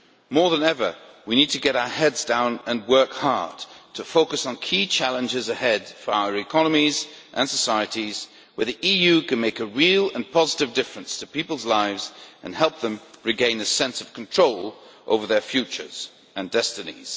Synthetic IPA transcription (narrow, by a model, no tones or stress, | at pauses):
mɔɹðə̃nɛvə˞winid̚tʰɨɡɛɾaʊə˞hɛdzdãʊ̃nɨ̃nwɜ˞khɑɹd̥tʰɨfoʊkɨsn̩kʰit͡ʃʰælˠə̃nd͡ʒɪzɨhɛd̥fə˞aʊə˞ɨkʰɑnəmizʔɨ̃nsəsaɪɨɾiz̥ | wə˞ðiʔijʉkɨ̃nmeɪkɨɹilˠə̃npʰɑzəɾɨvdɪfɹɨ̃nstʰɨpipl̩ˠzlaɪvz̥ʔɨ̃nhɛlˠp̚ðə̃mɹɨɡẽɪ̃nɨsɛ̃nsʌv̥kʰn̩tʰɹ̥oʊlˠʔo̰ʊvə˞ðə˞fjʉt͡ʃə̰˞z̥ | ɨ̃ndɛstɨnḭz̥